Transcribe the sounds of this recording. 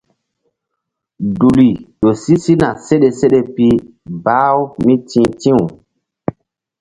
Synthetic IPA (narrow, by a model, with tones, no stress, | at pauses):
du˨li˨ɗo˨si˦si˦na˨se˦ɗe˨se˦ɗe˨pi˦ | baː˦wmi˦tĩ˦tĩ˦w